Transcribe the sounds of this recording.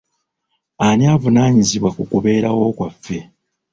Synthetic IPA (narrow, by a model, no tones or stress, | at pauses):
aniaːvunaːɲiziβwakukuβe̞ːɾawo̞ːkwafːe̞